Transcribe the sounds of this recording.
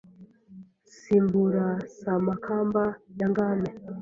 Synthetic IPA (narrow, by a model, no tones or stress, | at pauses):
simbuɾasamakʰambajaŋɡame